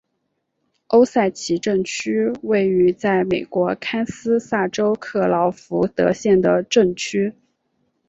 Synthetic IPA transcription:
o˥ʊsa˥˩ɪt͡ɕʰi˧˥ʈ͡ʂɤ˥˩ŋt͡ɕʰy˥we˥˩ɪy˧˥t͡sa˥˩ɪme˨˩ɪkwɔ˧˥kʰa˥nsɹ̩˥sa˥˩ʈ͡ʂo˥ʊkʰɤ˥˩lɑ˧˥ʊfu˧˥t̪ɤ̰˧˥ɕjɛ˥˩nd̪ə˩ʈ͡ʂɤ˥˩ŋt͡ɕʰy˥

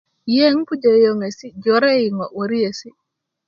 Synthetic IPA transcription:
je˦ŋ˦pu˦d͡ʒe˨jo˨ŋe˨si˦d͡ʒo˨˦ɾe˦i˨ŋɔ˨wo˨ɾi˦e˨si˦

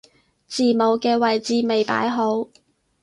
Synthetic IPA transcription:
t͡siː˨˩mo˨˧wkɛː˧wɐ˨jt͡siː˧me˨jpa̰ː˨˥jɦo˨˥w

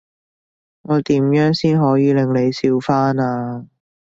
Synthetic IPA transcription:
ŋɔː˨˧t̪iː˨˥mjœː˨˥ŋsiː˥nɦɔː˨˥jiː˨˧lɪ˨ŋle˨˧jsiː˧wfaː˥naː˧

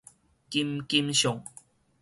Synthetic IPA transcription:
ki˧mki˧mɕo˨˩˨ŋ

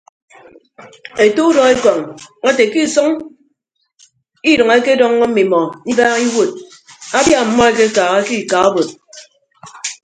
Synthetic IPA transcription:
e˨to˦u˦dɔ˨e˦kɔ˨ŋa˦te˨ki˦˨sʌ˦ŋ | i˦ɾʌ˨ŋe˦ke˦dɔ˦ŋːɔ˦m̩˦mi˨mɔ˨ni˦baː˦ɣi˦wo˨t̚ | a˦bja˦m̩˨mɔ˦e˦ke˦kaː˨ɣa˦ki˦˨ka˨o˦bo˨t̚

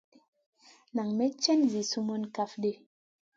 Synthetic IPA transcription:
na˨ŋme˦t͡ʃɛ˦nzi˨su˦mɔ˦nka˦fɗe˦

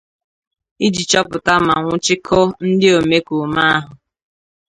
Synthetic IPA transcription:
i˦d͡ʒi˨t͡ʃɔ˦pʊ˨ta˦ma˨ŋʷʊ˦t͡ʃɪ˦kʰɔ˦n̩˦dɪ˦o˨me˦ku˨ma˦a˦ɦʊ˨

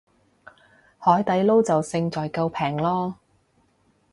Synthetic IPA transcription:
hɔː˨˥jt̪ɐ˨˥jlo˥wt͡sɐ˨wsɪ˧ŋt͡sɔː˨jkɐ˧wpʰɛː˨˩ŋlɔː˥

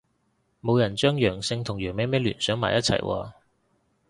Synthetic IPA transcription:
mo˨˧wjɐ˨˩nt͡ʃœː˥ŋjœː˨˩ŋsɪ˧ŋt̪ʰʊ˨˩ŋjœː˨˩ŋmɛː˨˥mɛː˥lyː˨˩nsœː˨˥ŋmaː˨˩jɐ˥t͡sʰɐ̰˨˩jwʔɔ̰ː˧

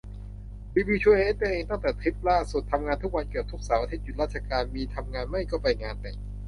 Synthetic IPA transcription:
biː˧biː˧t͡ɕʰu˧ʔe˦˥pe˧˩ʔeː˧ŋt̪a˥˩ŋt̪ɛː˨˩t̪ʰɾi˦˥p̚laː˥˩su˨˩t̪ʰːa˧mŋaː˧nt̪ʰu˦˥k̚wa˧nki˨˩p̚t̪ʰu˦˥k̚saː˩˦wʔa˧t̪ʰe˦˥t̪̚ju˨˩ɾaː˥˩t̪t͡ɕʰa˧kaː˧nmiː˧t̪ʰa˧mŋaː˧nma˥˩jkɔ˥˩pa˧jŋaː˧nt̪ɛ˨˩

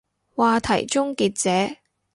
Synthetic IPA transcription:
waː˨t̪ʰɐ˨˩jt͡ʃʊ˥ŋkiː˧t̚t͡sɛː˨˥

